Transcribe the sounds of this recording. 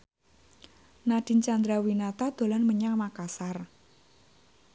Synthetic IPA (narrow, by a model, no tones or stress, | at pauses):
naɖ̥i̤nt͡ʃand̪ɾawinat̪ad̪̥o̤lanməɲaŋmakasar